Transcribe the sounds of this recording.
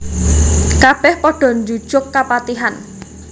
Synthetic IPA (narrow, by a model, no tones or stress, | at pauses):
kab̥ɛhpɔɖ̥ɔ̤nd͡ʒu̥ʒ̥ʊkːapat̪iɦan